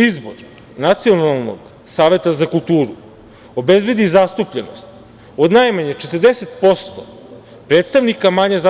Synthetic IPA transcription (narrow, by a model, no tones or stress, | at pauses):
izboɾ | nat̪sio̞nalˠno̰ɡ | saːʋe̞t̪azakulˠt̪uːɾu | obe̞zbe̞d̪izast̪upʎenost̪ | od̪najmaɲet͡ʃet̪ərd̪ese̞t̪po̞st̪o | pɾet̪st̪aʋnikamaɲeza